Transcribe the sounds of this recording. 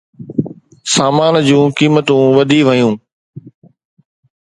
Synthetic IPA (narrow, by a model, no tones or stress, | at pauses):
saːmaːnd͡ʑũːkiːmət̪ũʋɐd̪ʱiʋɐjũː